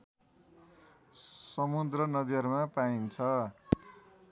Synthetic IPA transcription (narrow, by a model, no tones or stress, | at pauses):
sʌmud̪rʌnʌd̪iɦʌɾmapaint͡sʰʌ